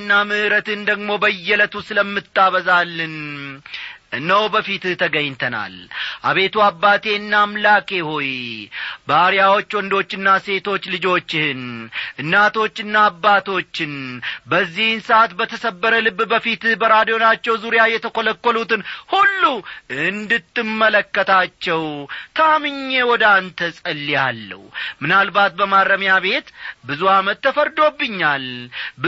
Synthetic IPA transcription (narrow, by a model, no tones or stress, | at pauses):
nːamɨhɾət̪ɨnd̪əɡmo̞bəjːɛlət̪ʰusɨləmːɨt̪ʼːaβəzalːɨn | nːəwbəfit̪t̪ʰəɡəɲːt̪ʰəna̰lʔa̰βe̞t̪ʰuabːat̪ʰe̞ɨnːamlakʼe̞hoj | bəaɾijawo̞t͡ʃːwɔnd̪o̞t͡ʃːɨnːase̞t̪ʰo̞t͡ʃːlɨd͡ʒo̞t͡ʃːhɨnʔɨnːat̪ʰo̞t͡ʃːɨnːaːbːat̪o̞t͡ʃːɪnbəzːihɨnsəʔat̪bət̪ʰəsəbːəɾəlɨβːbəfit̪bəɾad̪ijo̞nat͡ʃːɛwzuɾjajɛt̪ʰəkoləkːolut̪ɨnhulːuʔɨnd̪ɨt̪ːɨmːələkːət̪ʰat͡ʃːɛwt̪ʰamɨɲːewɔd̪ant̪ʰəsʼəlːijalːə̰wmɨnalbat̪̚bəmadəmjaβe̞t̪bɨzuamət̪ːəfəɾd̪o̞bːɨɲːalb